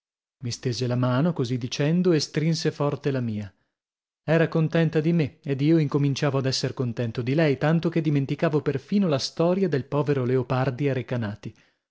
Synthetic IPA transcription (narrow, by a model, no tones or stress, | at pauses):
mist̪eːzelamaːnokozid̪ːit͡ʃɛnd̪oest̪ɾinsefɔrt̪elamiːa | ɛːɾakont̪ɛnt̪ad̪imeed̪iːoiŋkomint͡ʃaːvoad̪ɛsːerkont̪ɛnt̪od̪ilɛjt̪ant̪oked̪ːiment̪ikaːvoperfiːnolast̪ɔːɾjad̪elpɔːveɾoleopard̪iaɾekanaːt̪i